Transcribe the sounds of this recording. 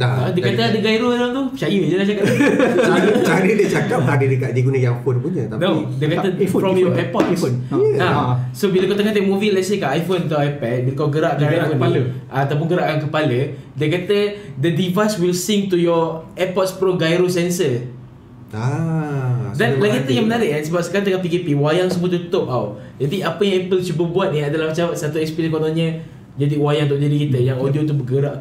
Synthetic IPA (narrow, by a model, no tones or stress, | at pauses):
daadəkat̪əadəɡajɾoɾaŋt̪ut͡ʃajəd͡ʒəlaht͡ʃakaʔat͡ʃajədət͡ʃakap̚adədəkaʔdiɡunəjaŋfonpund͡ʒət̪anodekat̪əfɹɔ̃mjɔʔɛpɔtsonasobiləkat̪akat̪emuvilɛtsekaajfont̪uajpɛd̚bikɔsɡəɾaʔkaaakəpaləʔat̪ap̬unɡəɾaʔkank̬əpalədiəkat̪ədədivaswilsiŋt̪ujɔɛpɔt̪̚spɾoɡajɾosɛnsə | a | danlaɡit̪əjaŋmənaɾɪʔansəbap̚sə̥kaɾãnd̪əŋanpikepiwajaŋsəmũət̪ut̪ʊʔaw | d͡ʒadiapəjaŋɛpəlt͡ʃubəbuat̪̚niadalahmat͡ʃamsat̪uɛkspiɾɛnkonaɲə̃ | d͡ʒadiwajaŋnt̪ʊʔd͡ʒadikit̪əjaŋodiot̪̬ubəɡəɾaʔ